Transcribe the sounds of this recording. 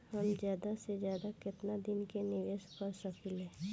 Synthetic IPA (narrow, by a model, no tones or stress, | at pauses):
hɐmd͡ʒjaːd̪ased͡ʒjaːd̪akɪt̪nad̪ɪnkenɪʋeːʃkəɾsəkelẽː